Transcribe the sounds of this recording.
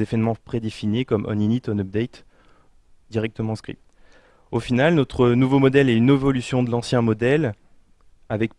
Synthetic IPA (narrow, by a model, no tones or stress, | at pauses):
evɛnmɑ̃pχed̪efinekɔmʔɔ̰ninit̪ɔnɔp̚d̪ɛt̪ | d̪iʁɛk̚t̪əmɑ̃skχḭ | ofinalnɔt̪χənuvomɔd̪ɛlɛynevɔlysjɔ̃d̪əlɑ̃sjɛ̃mɔd̪ɛl | avɛk